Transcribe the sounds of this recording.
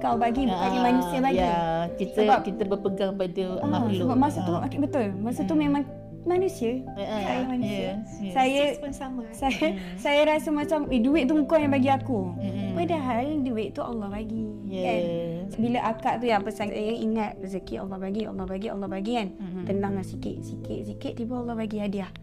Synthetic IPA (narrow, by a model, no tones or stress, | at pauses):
kawbaɡibbaɡimanũsiəbaɡjikisəbap̚kit̪əbəpəɡaŋpadəɔlmasət̪uakbət̪ʊlmasət̪umemãŋ | manũsiəajamanusisajəansaməsajə | sajəɾasəmat͡ʃameduwɪʔ̚t̪uŋukɔnabaɡiakupadaɦalduwɪʔt̪uʔa̰lːɑhbaɡi | kan | biləʔakaʔt̪ujaŋpəsaŋt̪sajəiŋat̪̚pəsəkiʔɑ̰lːɔhbaɡiɑ̰lːɔhbaɡiɑ̰lːɔhbaɡikant̪ənaŋlasikɪ̰ʔ̚sikɪ̰ʔsikɪʔ̚t̪ibəlːɔhbaɡiadəah